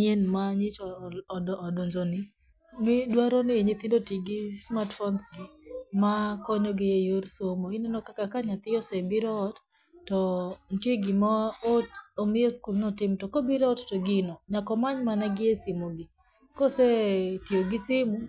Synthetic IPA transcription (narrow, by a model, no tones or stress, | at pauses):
ɲenmaɲɪt͡ʃɔdːdɔɲd͡ʒonɪ | mɪdwaɾɔnɪeɲet̪indotiɡɪsmatfɔnsɡɪmakɔɲɔɡɪjejorsomoinenɔkakakaɲat̪ɪjɔsɛbiɾɔːt | tɔnteɡɪmaoomɪeskulnɔtɪmtɔkɔbiɾɔɔttoɡɪnɔɲakɔmaɲmanɛɡɪesimoɡɪ | kɔsɛtjoɡɪsɪmu